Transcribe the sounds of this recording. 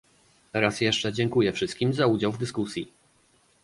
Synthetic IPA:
ɛɾasjɛʂt͡ʂɛd͡ʑɛŋkujɛfʂɘst̪̚kʲimzaud͡ʑawvd̪ɘskusʲji

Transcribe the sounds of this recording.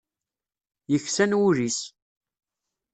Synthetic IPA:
jəçsænwuɾis

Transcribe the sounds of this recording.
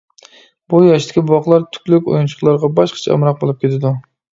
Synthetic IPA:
bujɑʃt̪ʰɪ̥kʲibwɑχlˠɑɾt̪ʰy̥kʲlykʲo̰junt͡ʃʰʊ̥χlˠɑɾʁɑbɑʃqʰɑ̥t͡ʃʰɛɨ̰mɾɑq̚bolˠup̚kʲet̪ʰɪd̪u

